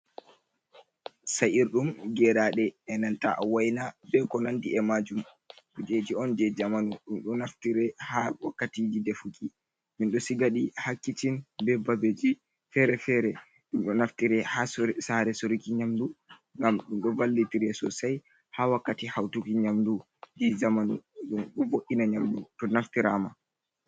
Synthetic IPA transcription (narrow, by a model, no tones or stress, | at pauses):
sajiɾɗumɡɛɾaɗɛːnanta̰ʔwajnabɛkɔnandiɛmad͡ʒum | ɗud͡ʒed͡ʒiɔnd͡ʒɛd͡ʒamanuɗumɗɔnaftiɾɛhawakːatid͡ʒidɛfuki | minɗɔsiɡaɗihakːitinbɛbabed͡ʒi | fɛɾɛfɛɾɛ | ɗumɗɔnaftiɾɛhassaɾɛsoɾikiɲamdu | ŋɡamɗunɗɔvalːitiɾɛsɔ̰saj | hawakːatihawtukiɲamdu | d͡ʒɛd͡ʒamanṵɗumɗɔvoʔinaɲamdṵtɔnaftiɾama